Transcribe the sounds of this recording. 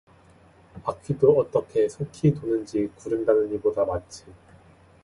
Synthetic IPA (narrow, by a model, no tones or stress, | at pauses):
akʰidoʌt͈ʌkʰe̞sʰokʰitonɯnd͡ʑikuɾɯŋdanɯnibodamant͡ɕʰin